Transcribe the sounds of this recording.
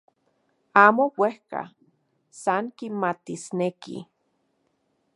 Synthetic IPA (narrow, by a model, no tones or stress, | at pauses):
aːmowehka̰ | saŋkimat̪isnekḭ